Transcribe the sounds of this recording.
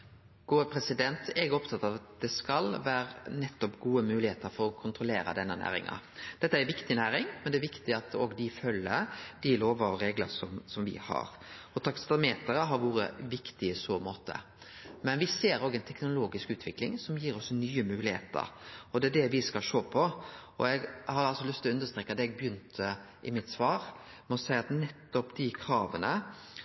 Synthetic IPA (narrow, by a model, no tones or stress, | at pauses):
ɡ̥oːəpʰɾɛsɪd̪ɛnt̪ɛɡɔpt̪ʰɑt̪ːɑʋɑt̪̚d̪ɛskɑlʋæːɾənɛt̪ːɔpɡuːəmʉːlɪheːt̪əɾfɔɾɔkʰʊnt̪ɾʊleːɾɑ̰d̪ɛnːənæ̰ːɾɪ̰ŋɑ̰d̪̥ɛt̪ːəæɛɾʋɪkt̪ɪnæːɾɪŋmɛnd̪ɛæɾʋɪkt̪ɪɑt̪oːɡd̪ɪfœlːəd̪̥ɪloːʋəɾɔɾeːɡlə̰sɔmsɔmʋɪ̰hɑ̰ɾ | ɔt̪ʰɑkst̪ɑmeːt̪əɾəɦɑɾʋuːɾə̰ʋɪkt̪ɪɪsoːmoːt̪ʰə̰ | mɛnʋɪseːɾoːɡɛɪnt̪ʰɛknʊloːɡɪskʉːt̪ʰʋɪklɪŋsɔmjiːɾɔsnyːəmʉːlɪhḛːt̪ə̰ɾɔd̪ɛæɖɛʋɪskɑlʃoːpʰɔɔɛɡhɑɾɑlsɔlʉst̪ʉnd̪əst̪ɾeːkːɑd̪ɛɛɡ̚bjʏnt̪ʰə | ʔɪmɪt̪sʋɑːɾmɛɔsæɪɑt̪nɛt̪ːɔpd̪ɪkʰɾɑːʋənə